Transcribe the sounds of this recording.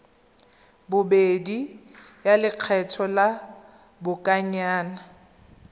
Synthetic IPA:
bʊbedijalɪq͡χʰɛtʰɔla | bʊkʼaɲaːna

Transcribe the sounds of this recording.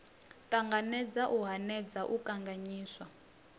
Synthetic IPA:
taŋɡanɛd͡zaʔuɦanɛd͡zaʔukaŋɡaɲiːswa

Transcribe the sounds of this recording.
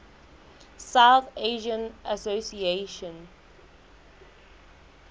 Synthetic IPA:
sawθeʒə̃nasosieʃɔ̃n

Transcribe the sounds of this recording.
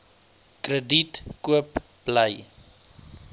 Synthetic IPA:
krəditkuəp | bləj

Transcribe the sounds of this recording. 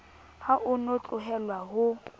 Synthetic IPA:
haʔʊnot͡ɬʼʊɦɛlwaɦʊ

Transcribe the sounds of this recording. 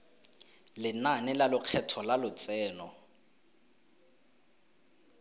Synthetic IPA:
lɪnanɪlalʊq͡χʰɛtʰɔlalʊt͡sɛːnɔ

